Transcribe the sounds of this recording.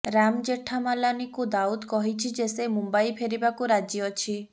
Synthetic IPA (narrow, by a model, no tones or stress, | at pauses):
ɾamd͡ʒeʈʰamalanikud̪aud̪kɔɦit͡ʃʰid͡ʒesemumbaipʰeɾibakuɾad͡ʒjiɔt͡ʃʰi